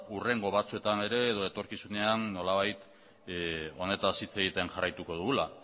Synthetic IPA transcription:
ure̞ŋɡo̞β̞at͡sue̞t̪ane̞ɾe̞ːð̞o̞e̞t̪o̞ɾkisune̞anːo̞laβajt̪ | o̞ne̞t̪asit͡seɣit̪enʝarajt̪uko̞ðuɣula

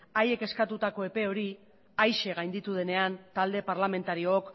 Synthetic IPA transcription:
aje̞ke̞skat̪ut̪ako̞e̞pe̞o̞ɾi | ajʃe̞ɣajnd̪it̪uð̞e̞ne̞ant̪ald̪e̞paɾlame̞nt̪aɾioːk

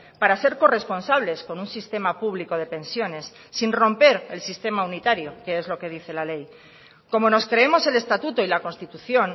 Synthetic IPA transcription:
paɾase̞ɾko̞re̞spo̞nsaβ̞le̞sko̞nunsist̪e̞mapuβliko̞ð̞e̞pe̞nsjo̞ne̞sːinro̞mpe̞ɾe̞lsist̪e̞maunit̪aɾjo̞ke̞ezlo̞ke̞ðiθe̞lale̞j | ko̞mo̞no̞skɾe̞emo̞se̞le̞st̪at̪ut̪oilako̞nst̪it̪uθjo̞n

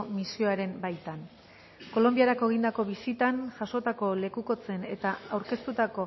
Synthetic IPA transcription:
misio̞aɾe̞mbajt̪an | ko̞lo̞mbiaɾako̞ɣ̞ind̪ako̞βisit̪anʝaso̞t̪ako̞le̞kuko̞t͡se̞ne̞t̪aawɾke̞st̪ut̪ako̞

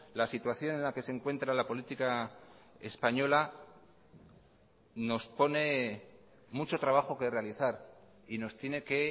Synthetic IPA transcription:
lasit̪waθjo̞ne̞nlake̞se̞ŋkwe̞nt̪ɾalapo̞lit̪ika | ḛspaɲo̞la | no̞spo̞ne̞ | mut͡ʃo̞t̪ɾaβ̞axo̞ke̞re̞aliθaɾ | ino̞st̪je̞ne̞ke̞

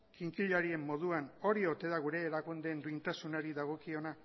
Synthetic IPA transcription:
kiŋkiʎaɾie̞mːo̞ð̞uano̞ɾio̞t̪e̞ðaɣ̞uɾe̞ːɾakund̪e̞nd̪ujnt̪asunaɾiðaɣ̞o̞kio̞na

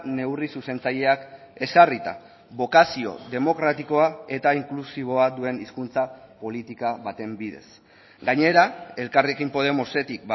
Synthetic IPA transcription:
ne̞wrisuse̞nt͡saʎe̞ak | e̞sarit̪a̰ | βo̞kasio̞̰ðe̞mo̞kɾat̪iko̞ae̞t̪aiŋklusiβ̞o̞adue̞niskunt͡sapo̞lit̪ikaβat̪e̞mbiðe̞̰s | ɡaɲe̞ɾae̞lkariekimpo̞ð̞e̞mo̞se̞t̪ik̚b

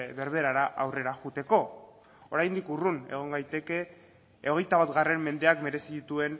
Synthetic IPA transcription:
βe̞ɾβe̞ɾaɾaʔawre̞ɾaɣut̪e̞ko̞ | oɾajnd̪ikurune̞̰ɣ̞o̞ŋɡajt̪e̞ke̞ | oɣ̞e̞jt̪aβat̪ɣare̞mme̞nd̪e̞akme̞ɾe̞siðit̪ue̞n

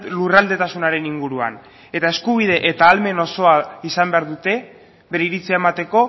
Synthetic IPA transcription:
lurald̪e̞t̪asunaɾe̞niŋɡuɾua̰n | e̞t̪ae̞skuβ̞ið̞e̞ʔet̪aːlme̞no̞so̞aisambe̞aɾðut̪e̞ | βe̞ɾeiɾit͡siaemat̪e̞ko̞

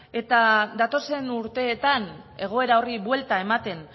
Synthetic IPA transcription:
e̞t̪ad̪at̪o̞se̞nuɾt̪e̞ːt̪ane̞ɣ̞o̞e̞ɾao̞riβwe̞lt̪ae̞mat̪e̞n

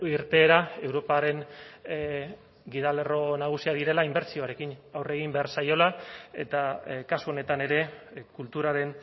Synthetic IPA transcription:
iɾt̪e̞ːɾae̞wɾo̞paɾe̞ŋ | ɡiðale̞ro̞naɣ̞usiað̞iɾe̞laimbe̞ɾt͡sio̞aɾe̞kinawre̞ɣ̞imbe̞aɾsajo̞lae̞̰t̪akasuo̞ne̞t̪ane̞ɾe̞kult̪uɾaɾe̞n

